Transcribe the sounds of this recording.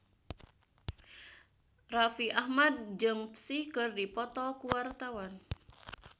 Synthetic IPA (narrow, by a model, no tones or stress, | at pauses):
rafiʔahmad̪̚d͡ʒɨŋpsikɨrdipɔt̪ɔkuwart̪awan